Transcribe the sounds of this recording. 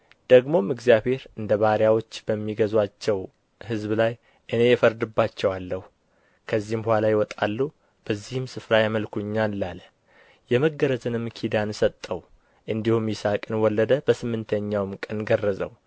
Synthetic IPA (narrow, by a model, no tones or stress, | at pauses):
d̪̥əɡmo̞mɨɡzijaβhe̞ɾɨnd̪əβaɾijawo̞t͡ʃːb̥əmːiɡəzwat͡ʃːɛw | hɨzblaj | ʔɨne̞jɛfəɾd̪ɨbːat͡ʃːɛwalːəhu | kʰəzːihmbəhʷalajɪwɔt̪ʼalːu | b̥əzːihɨmsɨfɾajaməlkʰuɨɲːanlal | jɛməɡːəɾəzɨnɨmːkʰid̪ansət̪ʼːəw | ʔɨnd̪ihumjɪsakʼɨnwɔlːəd̪əbəsɨmːɨnt̪ʰəɲːawmkʼənɡərːəzə̰w